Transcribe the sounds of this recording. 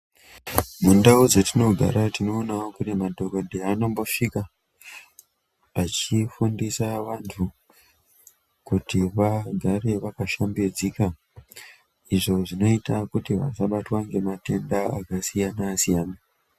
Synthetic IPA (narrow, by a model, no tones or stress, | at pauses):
mundaud͡zetino̞ɡʱa̰ɾatino̞ːnaokurimadʱo̞kodʱeano̞mbo̞ʂika | at͡ʃifundisaʋantʰu | kutiʋaɡʱare̞ʋakaʃambed͡zika | iʐo̞ʐino̞itakutiʋa̰saɓatwaŋɡe̞mate̞ndaakasijanasijaːna